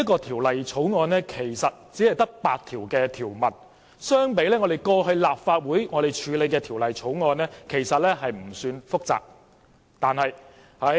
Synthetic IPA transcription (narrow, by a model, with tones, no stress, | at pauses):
jɐ˥tkɔː˧t̪ʰiː˨˩wlɐ˨jt͡sʰo˨˥wŋɔː˧nlɛː˥kʰe˨˩jsɐ˨t̚t͡siː˨˥hɐ˨jt̪ɐ˥k̚paː˧t̪̚ʰiː˨˩wkɛː˧t̪ʰiː˨˩wmɐ˨˩t̚ | sœː˥ŋpe˨˥jlɛː˥ŋɔ˨˧d̪e˨jkɔː˧ɦɵ˧ɥlaː˨p̚faː˧t̚wuː˨˥jŋɔ˨˧d̪e˨˩jt͡ʃʰyː˨˧le˨˧jkɛː˧t̪ʰiː˨˩wlɐ˨jt͡sʰo˨˥wŋɔː˧nlɛː˥kʰe˨˩jsɐ˨t̚lɛː˥ɦɐ˨jm̩˨˩syː˧nfʊ˥k̚t͡sa̰ː˨˩k̚ | t̪aː˨nhɐ˨j | hɐ˨˧˥